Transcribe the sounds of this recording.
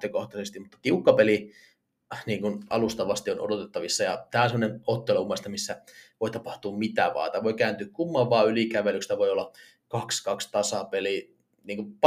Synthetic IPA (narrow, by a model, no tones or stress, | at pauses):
t̪økoht̪ɑsest̪immut̪ːɑ̥t̪iukːɑpeli | niːŋkunɑ̰lust̪ɑʋɑst̪iono̰dot̪et̪ːɑʋisːɑjɑt̪æːonsemːonenot̪ːeloumːest̪ɑmisːæʋoit̪ɑpɑht̪uːmmit̪æ̰ʋɑ̰ːt̪ɑʋoikæːnt̪yːkkumːɑʋɑːylikæʋelykst̪æʋoiolːɑ | kɑkskɑkst̪ɑsɑpeli | niːŋkup